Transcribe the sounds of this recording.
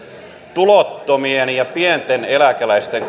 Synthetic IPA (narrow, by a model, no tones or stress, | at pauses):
t̪ulot̪ːomienjɑpient̪enelækælæist̪eŋk